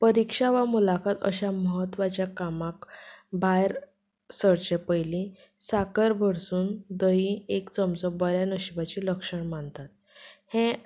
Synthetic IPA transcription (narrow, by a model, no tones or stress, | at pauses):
pəɾikʂaʋamulakʰat̪ə̰ɕaməɦət̪ʋat͡ɕjakamakbʱajɾ | səɾt͡ɕepəjlĩ | sakəɾbʱəɽsuːnd̪əɦiekt͡səmt͡sɔbəɾjanəɕibat͡ɕiləkʂəɳmant̪at̪̚ | hẽ